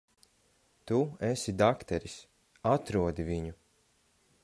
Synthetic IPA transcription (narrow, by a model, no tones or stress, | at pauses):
t̪uɛsid̪akt̪ɛɾis | at̪ɾuɔd̪iviɲu